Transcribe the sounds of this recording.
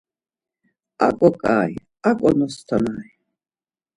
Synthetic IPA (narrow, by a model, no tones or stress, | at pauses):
a̰kʼɔkʼa̰ːj | akʼɔnɔst̪ʰanaː